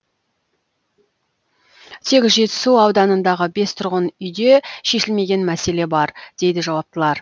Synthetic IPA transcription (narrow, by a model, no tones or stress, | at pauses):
t̪ʰe̞k̪ʲʒe̞t̪ɪ̥suɑwd̪ɑnənd̪ɑʁəbe̞st̪ʰʊɾʁənʏjd̪e̞ʃe̞ʃɪlme̞ɡʲe̞nmæse̞le̞bɑɾd̪̥e̞jd̪ɪʒɑwɑp̚t̪əlˠɑɾ